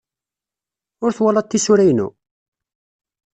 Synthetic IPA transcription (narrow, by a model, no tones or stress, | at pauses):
ʊɾθwalɑt̪ːisuɾæjnṵ